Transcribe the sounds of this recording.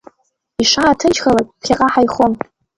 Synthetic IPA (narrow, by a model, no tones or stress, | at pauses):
iʂaːtʰɨt͡ʃʰχalakʼpχʲaqʼaħajχon